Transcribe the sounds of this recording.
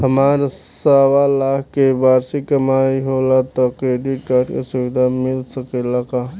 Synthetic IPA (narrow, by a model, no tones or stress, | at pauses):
həmaːɾsawalaːkʰkebaːɾsikəmaːiɦolat̪ɔkɾeːɖɪʈkaːɾɖkesʊʋɪd̪ʱamɪlsəkelaka